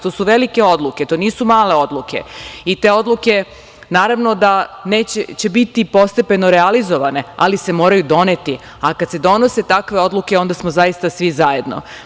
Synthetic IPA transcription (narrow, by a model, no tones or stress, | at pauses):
t̪o̞ːsuʋe̞like̞o̞d̪luke̞t̪o̞ːniːsumaːle̞o̞d̪lˠuke̞̰it̪e̞o̞d̪luke̞ | naːɾaʋno̞d̪ane̞ːt͡ɕet͡ɕe̞bit̪ipo̞st̪e̞pe̞no̞ɾealizo̞ʋane̞a̰lise̞mo̞ːɾajud̪o̞ne̞t̪i | akad̪se̞d̪o̞no̞se̞t̪akʋe̞o̞d̪lˠuke̞o̞nd̪asmo̞zajist̪asʋizaje̞d̪no̰